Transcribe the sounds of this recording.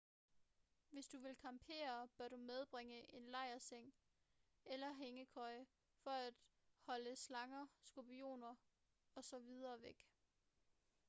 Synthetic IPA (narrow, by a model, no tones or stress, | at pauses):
ʋe̝sd̥uʋe̝lkʰɑ̈mpʰe̝̰ːɐb̥ɶɐɾ̥umeð̞ˠb̥ʁeŋəʔe̝nlɑ̈ɪ̰ɐseŋ̰ | elɐɦeŋəkʰɒ̽ɪ̰ | fɒ̽æd̥ | hɒ̽ləslɑ̈ŋɐsɡ̥ob̥io̝̰ːnɐ | ɒ̽sɒ̽ʋið̞ˠɐːʋeɡ̥